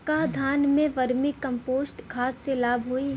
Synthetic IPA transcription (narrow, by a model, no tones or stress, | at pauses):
kaːd̪ʱaːnmẽʋɐɾmikɐ̃mpoːsʈɡʰʱaːt̪selaːbʱɦoiː